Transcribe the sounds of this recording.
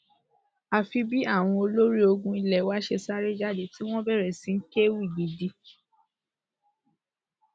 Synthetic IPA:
a˨fi˧bi˦a˦˨w̃ɔ̃˧o˧lo˦ɾi˦o˧ɡũ˧i˧lɛ˨wa˦ʃe˧sa˦ɾe˦d͡ʒa˦˨de˨ti˦w̃ɔ̃˦bɛ˦˨ɾɛ˨sĩ˨˦ŋ̩˦ke˦wu˦i˨ɡ͡bi˨di˧

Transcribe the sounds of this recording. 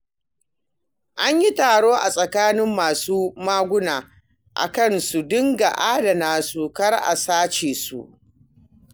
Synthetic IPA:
ʔa˦ɲji˦taː˨ɽoː˦ʔa˨sʼɐ˨kaː˦nɪ˦mːaː˨suː˦maː˦ɡʷʊ˦naː˨ | ʔa̰˨kɐ˦˨nsu˨dɪ˦ŋɡa˨ʔaː˦da˨naː˦su˨kɐ˦rʔa̰˨saː˦t͡ʃeː˨sṵ˨ʔ

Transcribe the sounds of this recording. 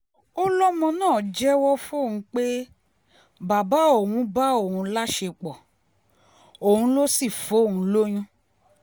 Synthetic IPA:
o˦lɔ˦mɔ̃˧nãː˦˨d͡ʒɛ˦wɔ˦fo˦˨hũ˧˦k͡pe˦ | ba˨ba˨˦o˦˨wũ˧˦ba˦o˦˨ũ˧˦la˦ʃe˧k͡pɔ˨ | o˨hũ˧˦lo˦si˦˨fo˨˦˨ũ˧˦lo˦j̃ũ˦

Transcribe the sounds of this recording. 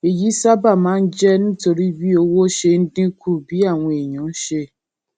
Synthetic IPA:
e˨ji˨˦sa˦ba˦˨mãː˨˦n̩˦d͡ʒɛ˦ñ̩˦to˨ɾi˦bi˦o˧wo˦ʃe˧n̩˦dɪ̃˦kʰu˦˨bi˨˦a˦˨w̃ɔ̃˧˦e˨ɲɔ̃˨˦n̩˦ʃe˧

